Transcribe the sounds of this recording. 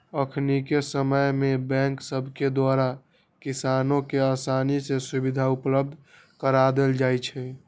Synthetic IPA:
əkʰnikesəməjmebɛ̃ŋksəbʱked̪waɾa | kisanõkeaːsanisesubid̪ʱaupləb̚d̪ʱ | kəɾad̪eld͡ʒajt͡ʃʰɛ

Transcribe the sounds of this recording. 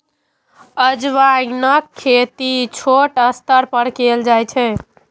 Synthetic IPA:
əd͡ʒʋainəkʰːet̪it͡ʃʰoʈəst̪əɾpəɽkeld͡ʒajt͡ʃʰɛ

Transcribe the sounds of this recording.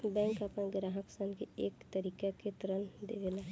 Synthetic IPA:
bɛ̃ːŋkapnaɡɾaɦəksənkeeːkt̪əɾiːkaket̪ɾənd̪eɡela

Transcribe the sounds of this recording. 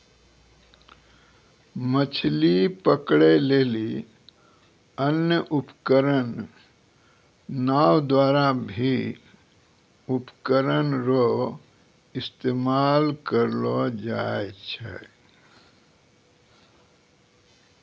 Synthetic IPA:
mət͡ʃʰlipəkɽeleːli | ənjəʔupkəɾən | aːwd̪waːɾabʱi | upkəɾənɾo | ɪst̪eːmaːlkəɾlod͡ʒaːet͡ʃʰɛ̰

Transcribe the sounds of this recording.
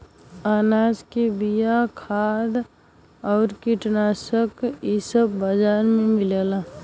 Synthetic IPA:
aːnaːd͡ʒkebijakʰaːd̪ | ɔːɾkiʈnasəkisəbːəd͡ʒaːɾmẽmɪlela

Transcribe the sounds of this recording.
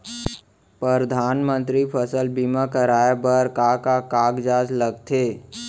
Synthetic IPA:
pɾəɾd̪ʱaːnmə̃nt̪ɾipʰəsəlbimakəɾaːjabəɾkakakaːɡd͡ʒaːd͡ʒləɡ̚t̪ʰeː

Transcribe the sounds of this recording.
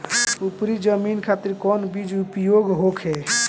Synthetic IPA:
upɾid͡ʒəminkʰat̪iɾkɔnbid͡ʒupjoɡɦokʰɦe

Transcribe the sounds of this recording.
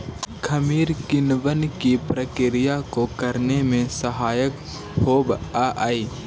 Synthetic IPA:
kʰɐmiːɾkɪnʋənkipɾəkɪɾɪjakokəɾnemẽsəɦaːjək | hoːbaʔaːiː

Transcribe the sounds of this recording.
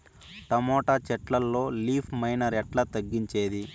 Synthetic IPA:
ʈɐmɔːʈaːt͡ʃɛʈlɐlːo̞ːliːpʰmɐjnɐɾɛʈlɐt̪ɐɡːiɲt͡ʃe̞ːd̪i

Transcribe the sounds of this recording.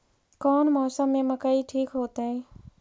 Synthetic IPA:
kɔːnmɔːsəmːẽməkaːiʈʰiːkɦoːt̪aɦɛ̃ː

